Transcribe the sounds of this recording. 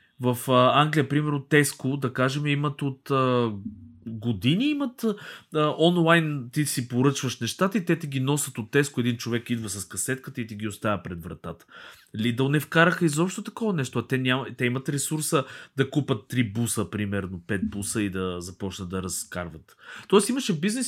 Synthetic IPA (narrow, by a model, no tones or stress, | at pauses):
vɐfəaŋɡlʲijəpɾimɛɾnot̪ɛskod̪ɐkaʒɛmɛimət̪ot̪ə | ɡod̪iniimɐt̪əʔɔnlˠajnt̪isipoɾɤt͡ʃvəʃnɛʃt̪at̪əit̪ɛt̪ɛɡʲinɔsət̪ot̪ːɛskʊɛd̪int͡ʃovɛkid̪vəsɐskɐsɛt̪kət̪əit̪ɛɡ̟ʲiost̪avʲəpɾɛd̪vɾɐt̪at̪ə̥ | lid̪ɐʊnɛfkaɾəxəizɔpʃt̪ot̪ɐkɔvɐnɛʃt̪oɐt̪ɛnʲamt̪ɛimət̪ɾɛsuɾsəd̪ɐkupɐt̪ːɾibusəpɾimɛɾnopɛt̪̚busəid̪ɐzɐpɔt͡ʃnət̪ɐɾɐska̰ɾvɐt̪t̪ɔɛst̪iməʃɛvbiznɛs